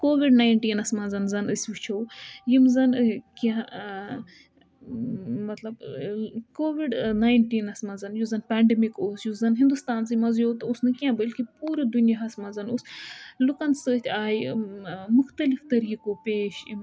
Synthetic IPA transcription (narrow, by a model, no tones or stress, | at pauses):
koːʋiɖnaːjnʈiːnɐsmɐːzɐnzɐnɨsʲʋit͡ʃʰowjimzɐnkiã | mɐt̪lɐb | koːʋiɖnaːjɳʈiːnɐsmɐzɐnjuzɐnpaːɳɖemikoːsjuzɐnɦĩnd̪ust̪aːnsimɐzjoːt̪usnɨkiãːbɐlʲkipuːɾɐd̪unjaɐsmɐzɐnuslukɐnsɨt̪ʲʰaːj | mʊxt̪ɐlift̪ɐɾiːkopeːʃim